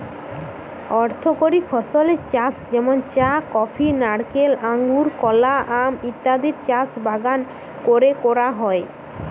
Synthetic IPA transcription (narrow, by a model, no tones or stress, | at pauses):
ɔɾt̪ʰokoɾipʰɔsolet͡ʃasd͡ʒɛmont͡ʃakɔpʰinaɽkelaŋɡuɾkɔlaʔamit̪ːad̪iɾt͡ɕasbʱaɡan | koɾekɔɾaɦɔe